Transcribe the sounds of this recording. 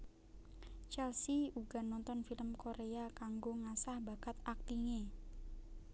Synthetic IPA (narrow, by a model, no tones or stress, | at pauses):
t͡ʃɛlsiuɡa̤nɔnt̪ɔnfiləmkoɾeakaŋɡoŋasahbaɡ̥at̪ak̚t̪iɲe